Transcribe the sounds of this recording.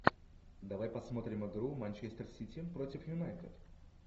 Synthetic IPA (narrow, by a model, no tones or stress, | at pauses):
d̪ɐvajpɐsmo̞t̪ɾʲɪmɨɡɾumanʲt͡ɕest̪ərsʲitʲipɾotʲɪfjʊnajt̪ɪd̪